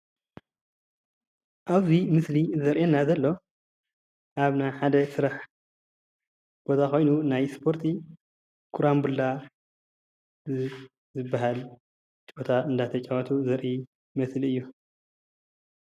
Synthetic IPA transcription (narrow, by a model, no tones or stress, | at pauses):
ʔaβzimɨslizɐɾʔenːazɐlːo̞ | ʔaβnajħad̪ɐsɨɾaħ | b̥o̞t̪ʰako̞jnunajspʰo̞ɾt̪ʰi | kʰuɾambulːa | zɨbːaɦal | t͡ʃbo̞t̪ʰaɨnd̪at̪ʰɐt͡ʃʼawɐt̪ʰuzɐɾʔi | mɐsliɨjːu